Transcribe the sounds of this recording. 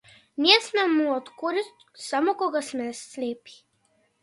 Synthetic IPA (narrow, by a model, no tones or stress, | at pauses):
niɛsmɛmuɔt̪kuɾist̪samokɔɡasmɛsleːpi̥